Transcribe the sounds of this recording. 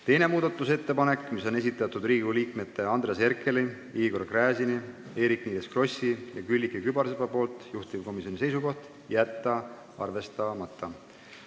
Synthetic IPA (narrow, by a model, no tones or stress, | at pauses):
t̪e̞jne̞muːd̪̥ɑt̪ːˑuse̞t̪ːe̞pɑne̞kːmiso̞ne̞s̬it̪ːˑɑt̪ːud̪rɾiːɡuliːkme̞t̪ːe̞ɑnd̪ɾese̞rkʰe̞li | iːɡo̞rkræːsini | e̞ːɾikniːleskro̞sʲijɑkylʲːikːikybɑɾsepɑpo̞ːlt̪ˑjuht̪ivko̞misio̞nʲise̞jsuko̞ht̪ | jæt̪ːˑɑ | ɑ̰rve̞st̪ɑmɑt̪ːˑɑ